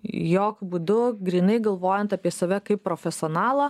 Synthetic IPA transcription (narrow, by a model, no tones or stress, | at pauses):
joːkbuːd̪ʊɡɾʲiːnɐɪɡɐlˠʋoːjɛnt̪ɐpʲiɛsɐʋʲɛkɐɪpːɾoːfʲɛsʲoːnɑːlˠɐ